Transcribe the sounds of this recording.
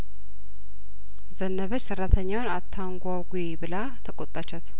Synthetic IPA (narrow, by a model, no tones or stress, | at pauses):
zənːəβət͡ʃːsɨrːat̪ʰəɲːawnat̪ʰːaŋɡʷawɡebɨla | t̪ʰəkʼot̪ʼːat͡ʃːɛt̪